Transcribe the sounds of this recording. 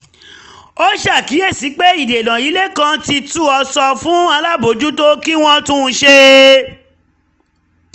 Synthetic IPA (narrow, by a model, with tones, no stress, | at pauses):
o˦ʃa˦˨ki˨˦e˦˨si˨˦k͡pe˦i˦˨de˨lã˨i˨˦le˦kã˦ti˧tu˦ɔ˧sɔ˧fũ˦a˧la˦bo˨d͡ʒu˦to˦ki˦w̃ɔ̃˦tũ˦˧ʃe˧